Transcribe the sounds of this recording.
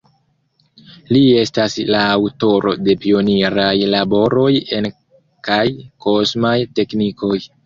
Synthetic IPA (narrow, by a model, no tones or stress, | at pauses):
lie̞staslaːwto̞ɾo̞̰de̞pio̞niɾajlabo̞ɾo̞je̞n | kajko̞smajte̞kniko̞j